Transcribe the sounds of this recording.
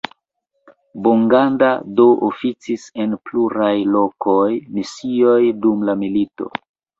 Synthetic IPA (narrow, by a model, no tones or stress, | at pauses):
boŋɡandado̞ʔofit͡sise̞npluɾajlo̞kojmisio̞jdumlamilito̞̰